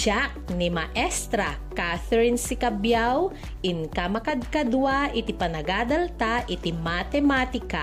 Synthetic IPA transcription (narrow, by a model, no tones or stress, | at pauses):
ʃak̚nimaʔɛst̪ɾakaθɛɾinsɪkɐbjaw | ʔɪnkamɐkɐd̪̚kɐd̪waʔɪt̪ipɐnɐɡaːd̪ɐlt̪aʔɪt̪imat̪ɛmat̪ɪka